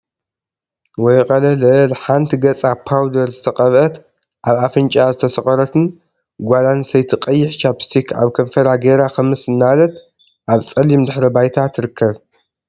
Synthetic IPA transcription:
wɔjqʼɐlɐlɐlħant̪ʰiɡɐt͡sʼapʰawd̪ɐɾzɨt̪ʰɐqʼɐβʔɐt̪ | ʔaβafɨnt͡ʃʼazɨt̪ʰɐsɐχʼɐɾɐt̪ʰɨn | ɡʷalansɐjt̪ʰiqʼɐjːɪħt͡ʃʰapstʰikʰa̰βkʰɐmfɐɾaɡeɾakʰɐmɨsɨnːalɐt̪̚ | ʔaβt͡sʼɐlimd̪ɨħɾɐbajt̪ʰat̪ʰɨɾɨkʰːɐβ

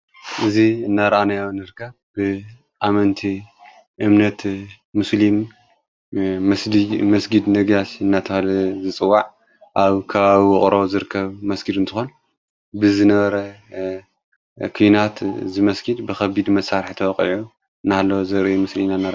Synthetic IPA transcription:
ʔɨziɨnːaɾʔanajawnɨɾɨkʰːɐβbɨ | ʔamɐnt̪ʰi | ʔɨmnɐt̪ | muslim | mɐsd̪imɐsɡid̪nɐɡjasɨnːat̪ʰɐalɐzɨt͡sʼɨwːaʕ | ʔaβkʰɐβaβiwɨχʼɾozɨɾɨkʰːɐβmɐsɡid̪ɨnt̪ʰɨxon | bɨzɨnɐβɐɾɐ | kʰujnat̪zɨmɐsɡid̪bɨxɐbid̪mɐsːaɾħt̪ʰɐwɐqʼʕu | ɨnːahalːowzɨɾɨjumɨslinanːaɾ

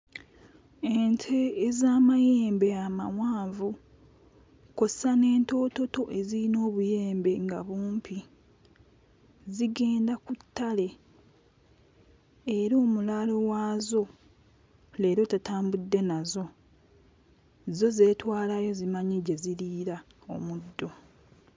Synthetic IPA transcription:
entʰe̞ːzaːmajeːmbe̞amawaːɱvu | ko̞sane̞ːnto̞ːto̞to̞ʔe̞ziɾino̞ːβuje̞ːmbe̞ŋɡa̰βuːmpʰi | ziɡe̞ːndakutːale̞ | eɾoːmulalo̞waːzo̞ | le̞ːɾo̞tatʰaːmbudːe̞nazo̞ | zo̞ze̞ːtwaːlajo̞zimaɲiɟe̞ziɾiːɾa | o̞̰mudːo̞

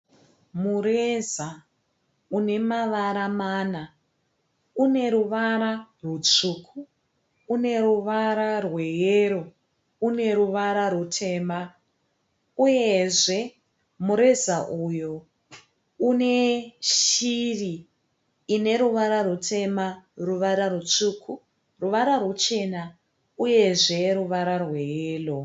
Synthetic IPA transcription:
mure̞za | une̞maʋaɾamaːna | une̞ɾuʋaɾarut͡ʂuːkʰuː | ne̞ruʋaɾarwe̞jeɾo | une̞ɾuʋaɾarutʰe̞ːma | uje̞ʐe̞ | muɾe̞zaʔujo | une̞ʃiriː | ne̞ɾuʋaɾarutʰe̞maruʋaɾarut͡ʂuːkʰu | ruʋaɾarut͡ʃe̞na | uje̞ʐe̞ruʋaɾarwe̞jeːlo

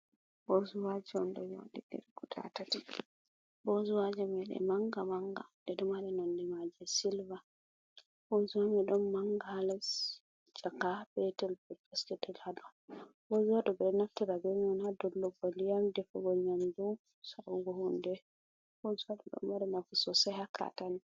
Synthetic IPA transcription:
bozuwad͡ʒɛɔndɔja̰ɗiɡɛ̰ɾkutʰa̰tati | bɔzuwad͡ʒɛmɛɗɛ̰maŋɡamaŋɡa̰dɛɗɔmaɾɛnɔndɛmad͡ʒɛsilva | bozuwamɛɗɔmːaŋɡaalɛs | d͡ʒakabɛtɛlbɛpɔskɛtɛladɔbozuwadɔbɛɾɛnaftiɾabɛɲɔnhadɔlːɔbɔlijamdɛfɔɡɔɲamdu | saɗɔɡɔhundɛ | bozuwadɔɗɔ̰mbaɾɛnafusɔsɛhakʰa̰tani

